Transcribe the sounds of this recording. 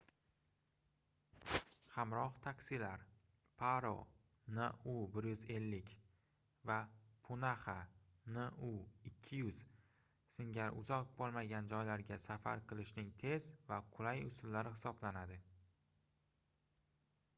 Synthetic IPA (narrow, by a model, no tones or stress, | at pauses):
hamɾɒχt̪ʰakʲsɪlaɾ | pʰaɾo̰ | nɒʊbɪɾjʊze̞lːɪkʲ | vapʰʊnaχanɪʔʊɪkʲʰːɪjʊz̥ | sɪŋɡʲaɾʊ̰zɒq̚bolˠmaɡʲand͡ʒɒjlaɾɡʲasafa̰ɾqʰɨlˠɪʃnɪŋt̪ʰe̞zvaqʰʊlajʊsʊlːaɾɪhɪsɒblanad̪ɪ